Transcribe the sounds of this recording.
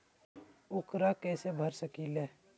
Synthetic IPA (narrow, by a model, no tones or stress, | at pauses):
ʊkɾakɛːsebʱəɾsəkileː